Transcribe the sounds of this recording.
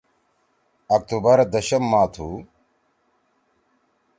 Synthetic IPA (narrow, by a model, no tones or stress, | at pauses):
ɐk̚t̪ubɐɾd̪ɐɕɐmːaːt̪ʰu